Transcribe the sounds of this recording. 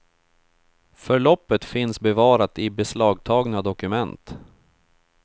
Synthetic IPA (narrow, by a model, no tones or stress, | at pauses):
fœɭɔpːət̪fɪnsbɛvɑːɾat̪ɪbɛslɑːɡt̪ʰɑːɡnad̪ɔkɵmɛnt̪